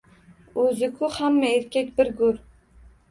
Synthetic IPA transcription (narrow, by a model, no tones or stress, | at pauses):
ɵzɪkʰʊhamːaeɾkʲʰakʲbɪɾɡʊɾ